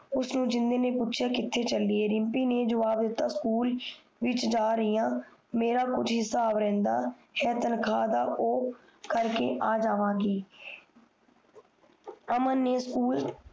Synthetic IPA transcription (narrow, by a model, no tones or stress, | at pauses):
ʊsnũːd͡ʒɪnd̪eːneːpʊtːʃʰjaːkɪt̪ʰːeːt͡ʃəlːɪeːɾɪmpiːneːd͡ʒəʋaːbd̪ɪt̪ːaːskuːl | ʋɪt͡ʃd͡ʒaːɾəɪjãːmeːɾaːkʊd͡ʒɦɪsaːbɾɛ̃ːnd̪aːhɛːt̪ənkʰaːd̪aːʔoː | kəɾkḛːʔaːd͡ʒaːʋaːɡeː | əmənːeːskuːl